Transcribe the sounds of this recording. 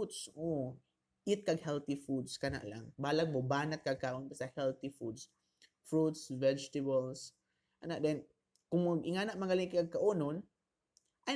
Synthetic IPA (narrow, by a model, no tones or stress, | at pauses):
ut̪so | ʔɪt̪̚kaɡhɛlt̪ɪfud̪skana̰ʔla̰ŋbaːlaɡ̚mobaːnat̪̚kaɡ̚kaʔonbasahɛlt̪ifud̪s | fɹut̪svɛd͡ʒt̪ɪbals | ʔanaʔd̪ɛn | kʊŋmʊɡʔɪŋaːnaʔmaŋɡaliŋkaɡ̚kaʔonon | ʔa